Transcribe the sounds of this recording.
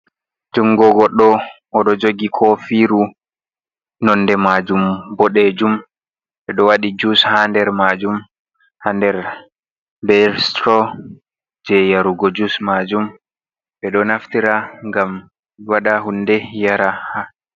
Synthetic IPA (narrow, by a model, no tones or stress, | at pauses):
d͡ʒuŋɡɔɡɔɗːɔː | ɗɔd͡ʒoɡikʰɔfiɾu | nɔndɛmad͡ʒumbɔɗɛd͡ʒum | ɓɛɗɔwaɗid͡ʒushandɛɾmad͡ʒum | handɛɾ | bɛɾstɾɔ | d͡ʒɛjaɾuɡɔd͡ʒusmad͡ʒum | ɓɛɗɔnaftiɾaŋɡam | waɗaɦundɛjaɾaha